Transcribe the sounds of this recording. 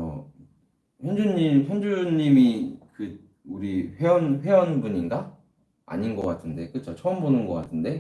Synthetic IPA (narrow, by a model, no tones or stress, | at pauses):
ʌ̰ | hjʌnd͡ʑuɲimɸjʌnd͡ʑuɲːimikɯ | uɾiɸe̞ʌnɸwe̞ʌnbuɲinɡa | a̰ɲinɡʌk͈atʰɯnde̞k͈ɯt͡ɕʰot͡ɕʰʌɯmbonɯnɡʌk͈atʰɯnde̞